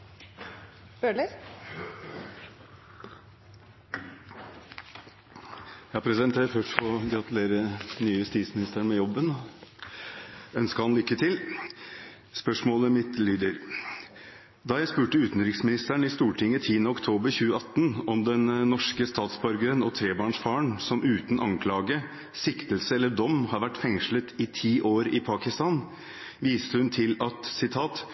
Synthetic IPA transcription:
bølə | jæhɑpɾɛsɪd̪ɛnt̪ʰeːɾføʂfɔɡɾɑt̪ʉleːɾənyːəʊst̪iːt̪smɪnɪst̪æɳmɛjɔbːən | œnskəhɑnlʏkːət̪ʰɪl | spœʂmoːləmɪt̪lyːd̪əɾ | d̪ɑjæɪspʉːʈəʉːt̪n̩ɾɪksmɪnɪst̪æɳɪst̪uːʈʰɪŋːət̪ʰiːənəɔkt̪ʰoːbəɾçʉːəɑt̪ːnɔmd̪ɛnːɔʂkəst̪ɑːt̪sbɑɾɡəɾənɔt̪ʰɾeːbɑːɳʂfɑːəɳsɔmʔʉːt̪n̩ɑŋkʰlɑːɡə | sɪkt̪əlsəɛlːəɖɔmːhɑɾʋæʈːfɛŋʂɭət̪ʰɪt̪ʰiːʔoːɾɪpʰɑːkɪst̪ɑn | ʋiːst̪əhʉnt̪ʰɪlɑt̪sɪt̪ʰɑːt̪

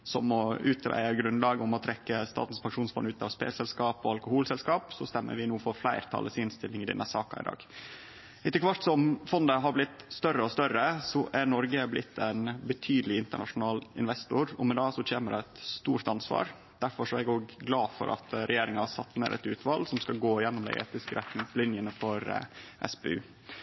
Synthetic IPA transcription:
sɔmɔʉːt̪ɾæ̰ɪəɡɾʉnlɑːɡəʊmɔt̪ʰɾɛkːəst̪ɑ̰ːt̪n̩spʰɑŋʂuːnsfɔnːʉːt̪ɑʋspḛːlsɛlskɑːpɔɑlkʊhuːlsɛlskɑːpsɔst̪ɛmːə̰ɾʋɪnuːfɔɾflæɪɾt̪ʰɑ̰ləsɪnst̪ɪlːɪŋɪd̪ɛ̰nʔəsɑːkɑ̰ɪ̰d̪ɑ̰ːɡ | ʔɪt̪ːəkʰʋɑʈt̪sɔmfɔnd̪əɦɑɾblɪt̪st̪œrːəɔst̪œɾəsɔʔænɔɾɡəblɪt̪ʰːɛnbət̪ʰyːd̪əlɪɪnt̪əɳɑʂʊnɑːlɪnʋɛst̪ʊɾɔ̰mɛd̪ɑːsɔt͡ʃʰeːməd̪ɛæt̪st̪uːɾt̪ɑnsʋɑ̰ːɾ | d̪̥æɾfɔʂɔɛɡoːɡɡlɑːfɔ̰ɾʔɑ̰t̪ɾʔɛjeːɾɪŋɑhɑsɑ̰t̪ːmḛːɾʔɛ̰t̪ʉːt̪ʰʋɑlsɔmskɑlɡoːɪjɛnːɔmd̪æ̰ɪʔḛːt̪ɪskəɾʔɛt̪ɪŋslɪnjənəfɔɾʔɛ̰spḛʉː

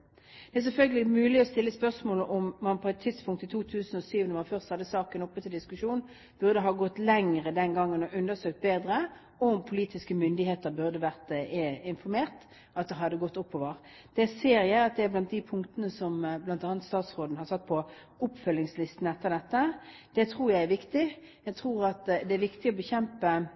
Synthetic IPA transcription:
d̪ɛæs̬ɛlfœlɡəlɪmʉːlɪɔst̪ɪlːəspœʁsmoːləʔɔmmɑnpʰɔɛt̪ʰːɪd̪spʰʊŋkt̪ɪt̪ʰuːt̪ʰʉːsənɔsyːʋənəmɑnfœʁst̪hɑd̪ːəsɑːkənɔpːət̪ɪld̪ɪskʉʂuːn | b̥ʉɾʁd̪əɦɑːɡɔt̪ːlɛŋʁəd̪ɛnɡɑŋːənɔʔʉnd̪əsøːk̚t̪̚beːd̪ɾə | ɔʊmpʰʊliːt̪ɪskəmʏnd̪ɪheːt̪əɾbʉʁd̪əʋæʁt̪ɪnfɔɾmeːʁt̪ | ʔɑt̪̚d̪ɛɦɑd̪ːəɡɔt̪ːʊpːoːʋəʁ | d̪̥ɛseːʁjæɪɑt̪̚d̪ɛæblɑnt̪̚d̪ɪpʰʊŋkt̪ənəsɔmblɑnt̪ɑːnət̪st̪ɑːt̪sʁoːd̪n̩hɑsɑt̪ːpʰɔ | ʊpfœlːɪŋslɪst̪n̩ɛt̪ːəʁd̪ɛt̪ːə | d̪̥ɛt̪ʰɾuːɾjæɪæɾʋɪkt̪ɪjæɪt̪ʰʁuːɾɑt̪d̪ɛæɾʋɪkt̪ɪɔbəçɛmpə

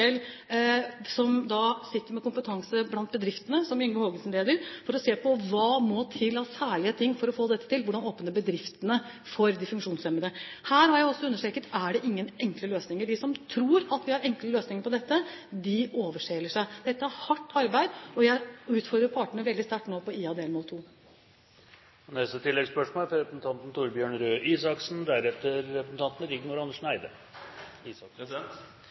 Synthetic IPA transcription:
ɛl | sɔmd̪ɑsɪt̪ːəɾmɛkʊmpət̪ʰɑŋsəblɑnt̪̚bəd̪ɾɪft̪ənəsɔmʏŋːəhoːɡənsn̩leːd̪əɾfɔɾɔseːpʰɔʋɑːmɔt̪ʰɪlːɑsæːɭɪət̪ʰɪŋːfɔɾɔfoːd̪ɛt̪ːət̪ɪlʋʊɖɑnoːpənəbəd̪ɾɪft̪ənə | fɔɾd̪ɪfʉŋkʂuːnsɛmːənəhæːɾhɑɾjæɪɔsːɔʉnːəʂʈeːkət̪æɖɛʔɪŋːənɛŋkləløːsnɪŋəɖɪsɔmt̪ʰɾuːɾɑt̪ʋɪhɑɾɛŋkləløːsnɪŋəɾpɔd̪ɛt̪ːəd̪ɪoːʋəʂeːləʂæɪd̪̥ɛt̪ːəæɾhɑʈːɑɾbæɪd̪ɔjæɪʉːt̪fɔɾd̪ɾəɾpʰɑːʈəɳəʋɛld̪ɪst̪æʈːnoːpɔiːɑd̪eːlmoːlt̪ʰuː | ɔnɛst̪ət̪ʰɪlːɛɡspœʂmoːlfɾɔɾɛpɾəsn̩t̪ʰɑnt̪n̩t̪ʰuːɾbjøːɳɾøːʔiːsɑksn̩d̪æɾɛft̪əɾːɛpɾəsn̩t̪ɑnt̪n̩ɾɪɡnuːɾɑnːəʂɳæɪd̪ə̰ | iː

